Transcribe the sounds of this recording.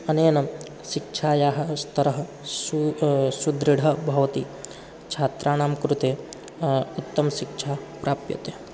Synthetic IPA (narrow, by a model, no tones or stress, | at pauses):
ɐneːnɐ | ʃikt͡ʃʰaːjaːɦɐst̪ɐɾɐɦɐ | sud̪ɾiɽʱɐbʱɐʋɐt̪i | t͡ʃʰaːt̪ɾaːnaːmkɾut̪eː | ut̪ːɐmʃikt͡ʃʰaːpɾaːpjɐ̰t̪e